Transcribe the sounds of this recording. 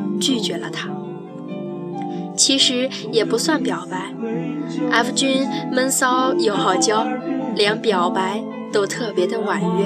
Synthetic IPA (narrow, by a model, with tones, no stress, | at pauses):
t͡ɕy˥˩t͡ɕɥɛ˧˥lə̰˧t̪ʰa˥ | t͡ɕʰi˧˥ʂɻ̩˧˥ | jɛ˨˩pu˧˥swa˥˩npjɑ˨˩ʊpa˧˥ɪ | a˥˩fu˧˥˩t͡ɕy˥nmə˥nsɑ˥ʊjo˧˥ʊxɑ˨˩ʊt͡ɕjɑ˥ʊljɑ˧˥ŋpjɑ˨˥ʊpa˧˥ɪ | t̪o˥ʊt̪ʰɤ˥˩pjɛ˧˥d̪ə˧wa˨˩nɥɛ˥˩